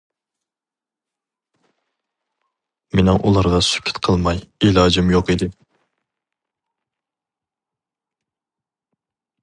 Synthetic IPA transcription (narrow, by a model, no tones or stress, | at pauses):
menɪŋʔulˠɑɾʁɑsy̥kʲʰːɪ̥t̪qʰəlˠmɑjelˠɑːd͡ʒimjoqid̪ɪ